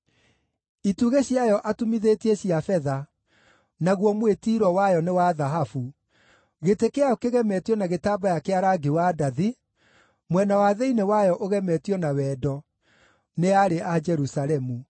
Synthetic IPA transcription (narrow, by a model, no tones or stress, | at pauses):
ituɣeɕjajɔʔatumiðeteɕiafɛða | naɣwɔmwetiːɾɔwajɔnewaðaɦafu | ɣetekeaokeɣɛmɛtjɔnaɣetaːbajakeaɾaːɡewadaði | mwɛnawaðeinewajɔʔoɣɛmɛtjɔnawɛːdɔ | neaɾeʔad͡ʒɛɾusaɾɛmu